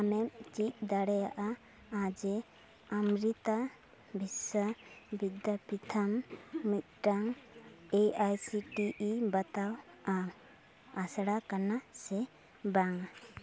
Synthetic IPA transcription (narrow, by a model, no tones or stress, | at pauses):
amɛmt͡ʃit̪̚ˀd̪aɽɛjaʔa | ad͡ʒɛ | amɾit̪a | bʱisabid̪japit̪ʰamːit̪̚ʈaŋeajsiʈiibat̪aw | a | asɽakanasɛ | baŋ